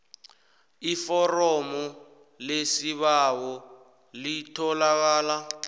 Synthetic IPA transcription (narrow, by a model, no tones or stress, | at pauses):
ifɔrɔmɔ | lesiβawɔ | litʰɔlak̬aːla